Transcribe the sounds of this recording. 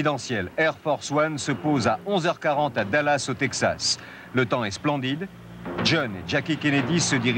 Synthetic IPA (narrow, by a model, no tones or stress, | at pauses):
id̪ɑ̃sjɛlɛʁfɔʁswansəpozaʔɔ̃zœʁkaʁɑ̃t̪ad̪alasot̪ɛksa̰s | lət̪ɑ̃ɛsplɑ̃d̪id̪ | ʒɔnḛʒakʲikʲened̪isəd̪iʁ